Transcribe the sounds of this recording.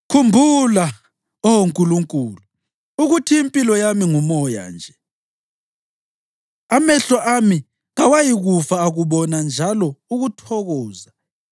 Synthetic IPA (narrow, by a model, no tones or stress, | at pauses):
kʰumbʱula | ɔwoŋkʼuluŋkʼuːlu | uɣutʰiːmpʼilɔjamiŋumɔja̰nd͡ʒʱɛ | amɛɬɔʔami | ɣawajiɣufaːɣuβɔnand͡ʒʱalɔuɣutʰɔɣɔːza